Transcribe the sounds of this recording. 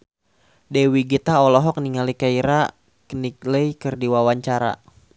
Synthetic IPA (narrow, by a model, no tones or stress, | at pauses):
dɛwiɡit̪aɔlɔɦɔk̚niŋalikaiɾa | kənikləjkɨrdiwawaɲt͡ʃaɾa̰